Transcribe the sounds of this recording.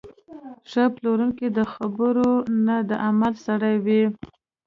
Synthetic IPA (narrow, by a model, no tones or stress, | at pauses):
ʂəploɾuŋkid̪əxabəɾonad̪əʔamalsaɽajwi